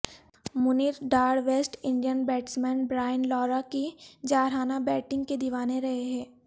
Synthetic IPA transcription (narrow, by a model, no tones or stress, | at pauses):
mʊniːɾɖaːɽʋeːsʈɪ̃ɳɖijənbɛːʈsmɛ̃ːnbɾaːɪənlɔːɾakid͡ʒaːɾaːnabɛːʈɪ̃ŋɡked̪iʋaːneɾɐɦeɦɛ̃ː